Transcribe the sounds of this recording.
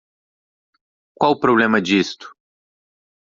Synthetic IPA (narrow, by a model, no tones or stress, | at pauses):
kwawʊpɾoblẽmɐd͡ʒist̪ʊ̥